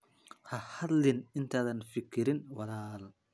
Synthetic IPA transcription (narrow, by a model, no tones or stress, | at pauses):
hɐhɐd̪lɪnɪnt̪ʰaːðɐnfɪkʰːɪɾɪnwɑlaːl